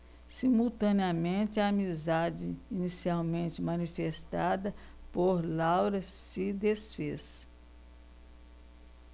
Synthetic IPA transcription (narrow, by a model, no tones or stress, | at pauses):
simuwt̪ɐ̃niɐmẽt͡ʃɪɐːmizad͡ʒɪinisiawmẽnt͡ʃɪmɐ̃nifest̪ad̪ɐpoɾlawɾɐsɪd̪esfes